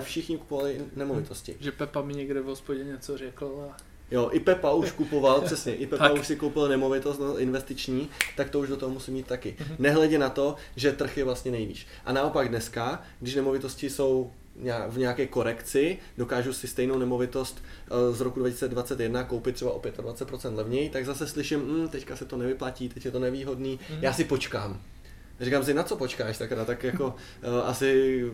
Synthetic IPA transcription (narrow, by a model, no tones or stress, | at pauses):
fʃɪxɲɪku̥povalɪnɛmo̞vɪt̪o̞scɪ̰ʒɛpɛpamɪɲɛɡdɛvɦospoɟɛɲɛt͡sorɛkl̩a | jo̞ʔɪpɛpauʃkupo̞valpr̥ɛsɲɛʔɪpɛauʃsɪkowpɪlnɛmo̞vɪt̪ost̪naoʔɪnvɛst̪ɪt͡ʃɲiːt̪akt̪ouʒdot̪oɦomusɪmːiːt̪t̪ːakɪnɛɦlɛɟɛnat̪o̞ | ʒɛt̪r̩xjɛvlast̪ɲɛnɛjvḭːʃ | ʔanao̞paɡdnɛska | ɡdɪʃ̬nɛmo̞vɪt̪o̞scɪso̞w | ɲaːvɲɛakɛːko̞ɾɛkt͡sɪ | do̞kaːʒusɪst̪ɛjnownɛmo̞vɪt̪o̞st̪zɾo̞kudvacɪsi̥t͡sɛdvat͡sɛt̪jɛdnako̞wpɪt̪ːr̥ɛbaʔo̞pjɛt̪advatt͡sɛt̪̚pɾo̞t͡sɛnt̪lɛvɲɛjt̪aɡzasɛslɪʃɪmm̩t̪ɛckasɛt̪onɛvɪplaciːt̪ɛcjɛt̪o̞nɛviːɦo̞dniːjaːsɪpo̞t͡ʃkaːm | rikaːms̬ɪnat̪t͡so̞po̞t͡ʃkaːʃt̪akɾaːt̪t̪ːakjako̞ | ʔasɪ